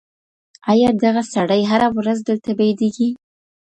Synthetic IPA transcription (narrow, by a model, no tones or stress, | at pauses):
ajɑd̪aɣasaɽajɦaɾawɾazd̪əlt̪abajd̪eɡi